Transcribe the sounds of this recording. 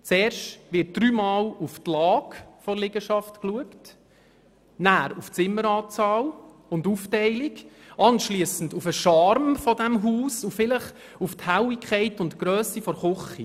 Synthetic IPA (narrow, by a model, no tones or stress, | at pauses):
t͡sɛːɾʃtʋɪɾt̚d̥ɾyːmɑːluftlɑːkfɔɾlɪɡəʃɑftkluəkt | næːɾuft͡sɪmːəɾɑːt͡sɑːl | ʊnduːftɛɪlik | ʔɑnʃliəsəndufəʃɑɾmfɔdæmɦuːsufɪləχ | ufthæwikʰχɛɪtʊntɡ̥ɾœːsifɔɾχʊχi